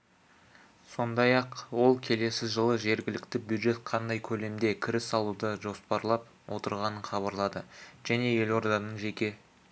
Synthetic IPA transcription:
so̞nd̪ɑjɑqwo̞lˠkʲʰe̞le̞sɪʒəlˠəʒe̞ɾɡʲɪlɪkt̪ɪbjud̪ʒe̞t̪qʰɑnd̪ɑjkʲʰɵle̞md̪e̞kʲʰɪɾɪsɑlˠud̪əʒo̞spɑɾlˠɑp̚ | wʔot̪əɾʁɑnəɴχɑβɑɾlˠɑd̪əʒ̥æne̞je̞lo̞ɾd̪ɑnənʒe̞kʲe̞

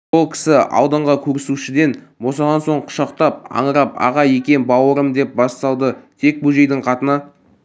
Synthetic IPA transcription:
olˠkʲʰɪ̥sɪɑ̰wd̪əɴʁɑkʲʰɵɾɪsuʃɪd̪e̞nbo̞sɑd̪ɑnso̞ɴqʰʊ̥ʃɑqt̪ɑp̚ɑ̰ɴəɾɑp̚ɑ̰ʁɑjekʲe̞nbɑwəɾəmd̪e̞p̚bɑst̪ɑw̪ˠd̪ət̪ʰe̞k̚bɵʒe̞jd̪ɪɴqʰɑt̪ənɑ

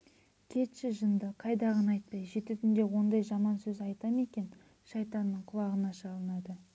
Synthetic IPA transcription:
k̪ʲʰe̞t̪ʃɪʒənd̪əqʰɑjd̪ɑʁənɑjt̪̚pɑjʒe̞t̪ut̪ɪnd̪e̞wo̞nd̪ɑjʒɑmɑnsɵzɑjt̪ɑme̞kʲe̞n | ʃɑjt̪ɑnːəɴqʰʊlˠɑʁənɑʃɑlˠənɑd̪ə

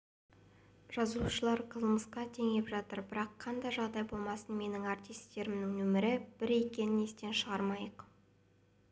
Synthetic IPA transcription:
ʒ̥ɑzuʃəlˠɑɾqʰəlˠməsqɑt̪ʰe̞ŋe̞pʒɑt̪əɾbɪɾɑqʰːɑnd̪ɑʒɑʁd̪ɑjbo̞lˠmɑsənme̞nɪŋɑɾt̪ijst̪ːe̞ɾɪmnɪŋnɵmɪɾɪb̥ɪɾe̞kʲe̞nɪne̞st̪e̞nʃəʁɑɾmɑjəq

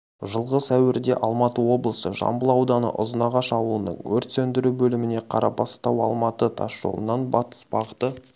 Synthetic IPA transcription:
ʒəlˠʁəsæwɪɾd̪e̞̰ʔɑlˠmɑt̪əwo̞blˠəsəʒɑ̰mbəlˠɑwd̪ɑnə̰ʔʊ̰zənɑʁɑʃɑwˠuənə̰ɴwɵɾt̪sɵnd̪ɪɾubɵlɪmɪne̞qʰɑɾʔɑpʰɑst̪ɑwɑlˠmɑt̪ət̪ʰɑsʒ̥o̰lˠə̰nɑnbɑt̪ə̥sbɑʁət̪ə

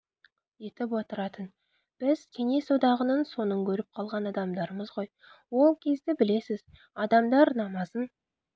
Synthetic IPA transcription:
je̞t̪ɪp̬wo̞t̪əɾɑt̪ən | b̥ɪzkʲʰe̞ne̞sod̪ɑʁənənso̞nəŋkʲʰɵɾɪp̚qʰɑlˠʁɑnɑd̪ɑmd̪ɑɾəməzʁo̞j | wo̞lˠkʲʰe̞zd̪ɪbɪle̞sɪz | ɑd̪ɑmd̪ɑɾnɑmɑzən

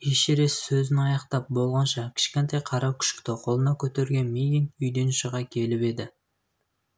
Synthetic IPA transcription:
eʃeɾe̞ssɵzɪnɑjɑqt̪ɑp̚bo̞lˠʁɑnʃɑkʲʰɪ̥ʃkʲe̞nt̪ɑjqʰɑɾɑwkʲʰʏ̥ʃkʲɪ̥t̪ɪqʰo̞lˠənɑkʲʰɵt̪e̞ɾɡʲe̞nmejiŋʏjd̪e̞nʃəʁɑkʲʰe̞lɪpe̞d̪ɪ

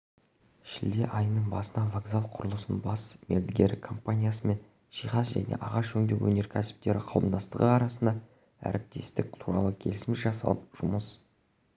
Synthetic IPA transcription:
ʃɪld̪e̞ʔɑjənəɴbɑsənɑvoɡzalˠqʰʊɾəlˠəsənbɑsmeɾd̪ɪɡʲe̞ɾɪkʰompanʲijasəme̞n | ʃijχɑsʒæ̰ne̞̰ʔɑʁɑʃʰɵŋd̪ekwɵne̞ɾkʲʰæsɪ̥p̚t̪e̞ɾɪqʰɑlˠəmd̪ɑst̪əʁəɑɾɑsənd̪ɑ | æ̰ɾɪp̚t̪e̞st̪ɪk̚t̪ʰuɾɑlˠəkʲʰe̞lɪsmɪʃʒɑsɑ̰lˠəp̚ʒ̥ʊməs

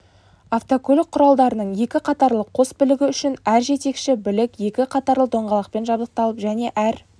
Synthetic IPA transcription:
aft̪okʰɵlɪk̚qʰːʊɾɑlˠd̪ɑɾənəɴje̞kʲɪqʰɑt̪ɑɾlˠəqʰo̞sbɪlɪɡʲɪʏʃɪnæɾʒe̞t̪e̞kʃɪbɪlɪkje̞kʲɪqʰɑt̪ɑɾlˠəd̪o̞ɴʁɑlˠɑq̚pe̞nʒɑbzˠəq̚t̪ɑlˠəpʒæne̞ʔæɾ

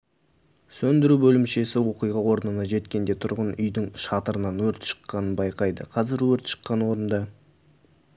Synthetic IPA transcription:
sɵnd̪ɪɾubɵlɪmʃe̞sɪwo̞qijʁɑwo̞ɾənənɑʒe̞t̪kʲe̞nd̪e̞t̪ʰʊɾʁənʏjd̪ɪŋʃɑt̪əɾənɑnwɵɾt̪ʃə̥qːɑnənbɑjqɑjd̪ə̰qʰɑzɪɾwɵɾt̪ʃə̥qːɑnwo̞ɾənd̪ɑ

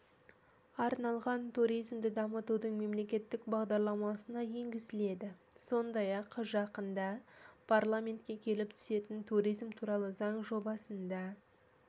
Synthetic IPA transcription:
ɑɾnɑlˠʁɑnt̪ʰuɾijzmd̪ɪd̪ɑmət̪ud̪əɴme̞mle̞kʲe̞t̪ːɪkbɑʁd̪ɑɾlˠɑmɑsənɑje̞ŋɡʲɪzɪle̞d̪ɪ | so̞nd̪ɑjɑqʒɑqənd̪ɑpʰaɾlˠamʲe̞nt̪kʲe̞kʲʰe̞lɪp̚t̪ʰʏ̥se̞t̪ɪnt̪ʰuɾijzmt̪ʰuɾɑlˠəzɑɴʒo̞bɑsənd̪ɑ

